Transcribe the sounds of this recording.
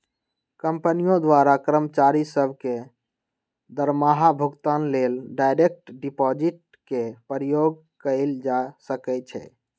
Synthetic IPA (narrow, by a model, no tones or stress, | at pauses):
kəmpənijõd̪waɾakɾəmət͡ʃaɾisəbʱke | d̪əɾmaɦabʱuɡt̪anlelɖajɾek̚ʈɖipɔd͡ʒiʈ̚ | kepəɾjoɡ | kəɪld͡ʒasəkɛt͡ʃʰɛ̰